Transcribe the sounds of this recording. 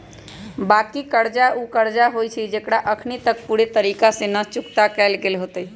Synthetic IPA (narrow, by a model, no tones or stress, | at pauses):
bakikəɾd͡ʒaukəɾd͡ʒaɦojt͡ʃʰid͡ʒekɽaʔəkʰnit̪ək̚puɾet̪əɾikasẽnət͡ʃukt̪akɛlɡelɦot̪əj